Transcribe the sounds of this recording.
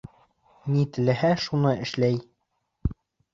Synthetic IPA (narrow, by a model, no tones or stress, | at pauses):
nit̪ɘ̆læ̆hæʃunɤɘ̆ʃlæj